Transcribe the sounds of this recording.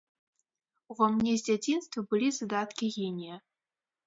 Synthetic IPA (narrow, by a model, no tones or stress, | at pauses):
uvamnnʲɛzʲd͡zʲat͡sʲinst̪vɐbɨlʲizad̪at̪kʲiɣʲinʲijɐ